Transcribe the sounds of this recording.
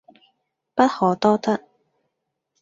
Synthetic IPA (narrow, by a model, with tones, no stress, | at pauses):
pɐ˥t̚hɔː˨˩t̪ɔː˥t̪ɐ˥t̚